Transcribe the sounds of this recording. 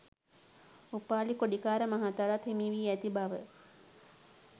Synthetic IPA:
upaːlikoɖikaːɾəmaɦat̪aɾat̪hemiːʋiːæt̪ibaʋə

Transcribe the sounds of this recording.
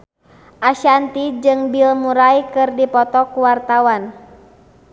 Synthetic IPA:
ʔaʃant̪id͡ʒɨŋbilmuɾaikɨrdipɔt̪ɔkuwart̪awan

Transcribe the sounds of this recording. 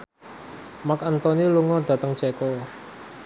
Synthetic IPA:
makant̪ɔniluŋɔd̪̥ä̤t̪əŋt͡ʃɛkɔ

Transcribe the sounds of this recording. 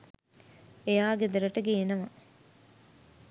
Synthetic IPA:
ejaːɡed̪əɾəʈəɡeːnəma

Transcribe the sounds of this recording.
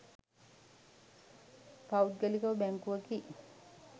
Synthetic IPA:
pawt̪̚ɡelikɐʋɐbæŋkuʋaki

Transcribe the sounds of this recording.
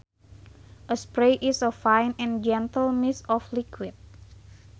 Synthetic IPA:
ʔəspɾejʔisəfãjnɛ̃nd͡ʒɛnt̪əlmisɔflikwit̪̚

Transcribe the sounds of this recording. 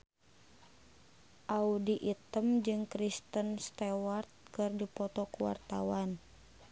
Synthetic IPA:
ʔaudiʔit̪əmd͡ʒɨŋkɾist̪ənst̪ɛwart̪̚kɨrdipɔt̪ɔkuwa̰rt̪a̰wan

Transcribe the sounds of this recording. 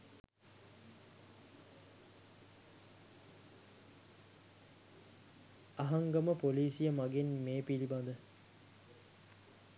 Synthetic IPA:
ɐɦaŋɡəməpoliːsijəmaɡenmeːpiliband̪ə

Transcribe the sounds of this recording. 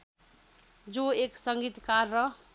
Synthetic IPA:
d͡ʒoeksəŋɡit̪kaɾːʌɦ

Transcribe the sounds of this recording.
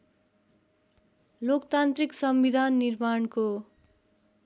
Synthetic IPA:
lokt̪ant̪riksʌmbid̪ʱanːirmaɳko

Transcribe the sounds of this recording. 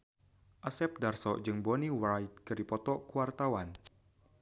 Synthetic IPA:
ʔasɛp̚darsɔ̰ʔd͡ʒɨŋbɔniwajt̪̚kɨɾipɔt̪ɔkuwart̪awan

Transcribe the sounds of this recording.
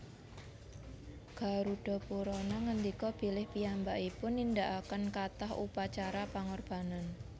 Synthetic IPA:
ɡ̥a̤ɾuɖ̥ɔ̤puɾɔnaŋənd̪ikɔb̥i̤lɪhpiambaʔipʊnːind̪aʔakənkat̪ahṵpat͡ʃaɾapaŋɔrb̥a̤nan

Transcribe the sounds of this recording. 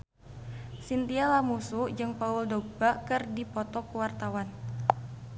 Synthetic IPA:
sint̪ialamusud͡ʒɨŋpauldobakɨrdipɔt̪ɔkuwart̪awan

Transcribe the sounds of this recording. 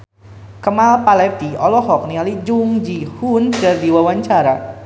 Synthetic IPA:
kəmalpalɛt̪iɔlɔɦɔk̚nialid͡ʒuŋd͡ʒihundardiwawaɲt͡ʃaɾa

